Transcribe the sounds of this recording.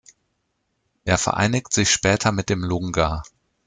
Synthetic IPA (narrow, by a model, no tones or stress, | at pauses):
ʔeːɐfɛ̰ɐʔa̰ɪnɪktz̥ɪçʃpɛːtʰɐmɪt̚d̥eːmlʊŋɡa